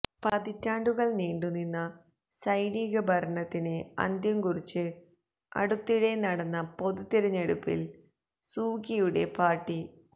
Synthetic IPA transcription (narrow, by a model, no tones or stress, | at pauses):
pɐðitːaːɳɖuɣɐɭniːɳɖuninːɐ | sɐjniːɣɐbʱɐɾɐɳɐt̪ːinɨɐ̰nd̪jɐmkurit͡ɕːɨ | ɐ̰ɽut̪ːiɽe̞nɐɽɐnːɐpo̞ðut̪ːiɾɐɲːeɽupːḭl | suːkijuɽe̞paːrʈːi